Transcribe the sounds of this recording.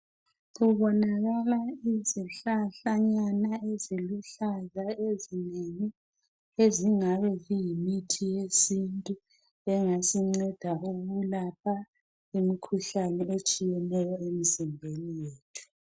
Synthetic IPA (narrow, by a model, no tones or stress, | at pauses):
ɣuβɔnaɣalaiziɬaɬaɲanaeziluɬazaezineŋi | eziŋaβɛɣujimitʰijesintʼu | ɛŋasiŋ͡ǀɛd̥ʱaʔuɣulapʰa | imikʰuɬanɛet͡ʃʼijɛnɛjɔemizimbʱenijeːtʰu̥